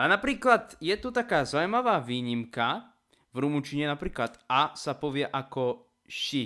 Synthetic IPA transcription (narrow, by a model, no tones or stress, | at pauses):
anapɾiːklad̪jɛt̪ut̪akaːzaʊjmaʋaːʋiːɲimka | vɾumut͡ʃiɲɛnapɾiːklat̪asapɔʋɪɛʔakɔ | ʃi